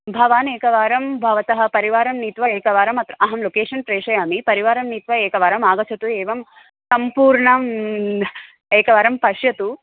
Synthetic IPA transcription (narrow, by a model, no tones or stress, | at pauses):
bʱɐʋaːneːkɐʋaːɾɐmbʱɐʋɐt̪ɐɦɐpɐɾiʋaːɾɐmnit̪ʋɐeːkɐʋaːɾɐmɐt̪ɾɐʔɐɦɐmlokeːʂɐnpɾeːʂɐjaːmipɐɾiʋaːɾɐmniːt̪ʋɐeːkɐʋaːɾɐmaːɡɐt͡ʃʰɐt̪ueːʋɐm | sɐmpuːɾɳɐm | eːkɐʋaːɾɐmpɐʂjɐt̪u